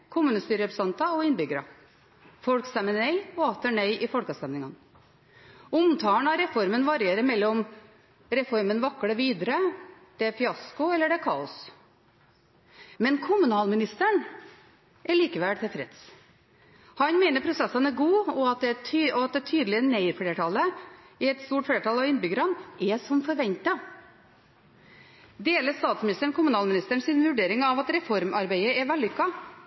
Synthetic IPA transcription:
kʰʊmʉːnəst̪yːɾəɛpɾsɑnt̪ɑɔɪnbʏɡəɾɑ | fɔlkst̪ɛmːənœʏɔɑt̪əɳœʏʔɪfɔlkɑst̪ɛmnɪŋɑn | ʊmt̪ʰɑːəɳɑɾɛfɔɾmənʋɑɾɪeːɾəmɛlːɔm | ɾɛfɔɾmənʋɑkːɽəʋiːd̪əɾəd̪̥ɛfɪɑskʊɛlːəɖɛkʰɑ̰ːʊs | mɛnkʰʊmʉnɑːlmɪnɪst̪əɳ | ʔɛɭiːkəʋɛt̪ʰɛfɾɛt̪s | hɑnmeɪnəɾpʰɾʊsɛsːənæɾɡuːɔɑt̪̚d̪ɛt̪ʰːɔɑt̪̚d̪ɛt̪ʰyːd̪əlɪəneɪɾfɽeːʈʰɑlːəɪɛt̪st̪uːʈfleːʈʰɑlɑʋɪnbʏɡəɾɑnʔɛsɔmfɔɾʋɛɲt̪ɑ | d̪eːləst̪ɑːt̪smɪnɪst̪əɳkʰʊmʉnɑːlmɪnɪst̪əɳsɪnʋʉɖeːɾɪŋɑʋɑt̪ɾɛfɔɾmʔɑɾbæɪəɛʋɛld̪ʏkːɑ

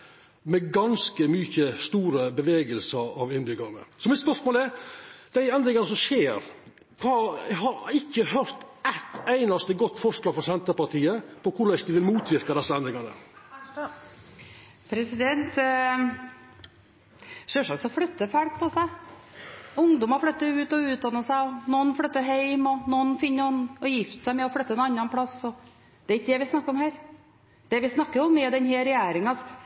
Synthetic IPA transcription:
mɛɡɑnskəmyːçəst̪uːɾəbəʋeːɡəlsəɾɑʋɪnbʏɡɑnə̰sɔmɪt̪spœɾʂmoːlɛd̪̥æɪɛnd̪ɾɪŋɑnəsɔmʃeːɾ | kʰɑɦɑɾɪkːəhøɾt̪ʔɛt̪æɪnɑst̪əɡɔt̪ːfɔʂɭɑːɡfɾɔsɛnt̪əɾpɑʈ̪iːəpʰɔkʰʊɾɭɛsd̪ɪʋɪlmuːt̪ʰʋɪɾkɑd̪ɛsːəɛnd̪ɾɪŋɑnə̰ | pʰɾɛsɪd̪ɛnt̪ | ʂøːʂɑk̪sɔfɽœt̪ːəfæɽk̚pʰɔsæɪ | ʊŋd̪ʊmɑflœt̪ːəʉːt̪ɔʉːt̪̚d̪ɑnːəsæɪɔnɔnfɽœt̪ːəɦeɪmɔnɔnfɪnːəɔnɔjɪft̪ə̥sæɪmɛɔfɽœt̪ːəɛnɑnːɑnpʰɽɑsɔ | d̪̥ɛɪkːd̪ɛʋɪsnɑkːəɾɔmhæːɾ | d̪̥ɛʋɪsnɑkːəɾjʊmːiːd̪ɛnheːɾɛjæːɾɪŋsɔ

